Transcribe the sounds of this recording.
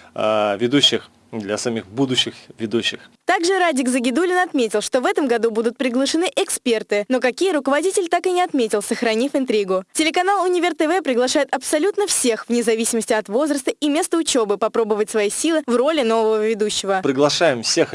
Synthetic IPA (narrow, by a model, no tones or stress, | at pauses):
a̰vʲɪd̪uɕːɪx | d̪lʲɐsɐmʲixbud̪ʊɕːɪxvʲɪd̪uɕːɪxt̪aɡʐɨɾadʲɪkzəɡʲɪd̪ulʲɪnɐt̪mʲetʲɪlˠʂt̪o̞vɛt̪əmɡɐd̪ubud̪ʊt̪̚pɾʲɪɡlˠəʂɨnɨʔɪkspʲe̞rt̪ɨno̞kɐkʲijəɾʊkəvɐdʲitʲɪlʲt̪akɨnʲɪɐt̪mʲetʲɪlˠsəxɾɐnʲifɨnt̪ɾʲiɡʊtʲɪlʲɪkɐnalˠʊnʲɪvʲɪrt̪ɛvɛpɾʲɪɡlˠɐʂajɪt̪ɐpsɐlʲut̪nəfsʲe̞xvnʲɪzɐvʲisʲɪməsʲtʲɪɐt̪vo̞zɾəst̪əimʲe̞st̪əʊt͡ɕo̞bɨpɐpɾo̞bəvətʲsvɐjisʲilˠɨvro̞lʲɪno̞vəvəvʲɪd̪uɕːɪvəpɾʲɪɡlˠɐʂajɪmfsʲex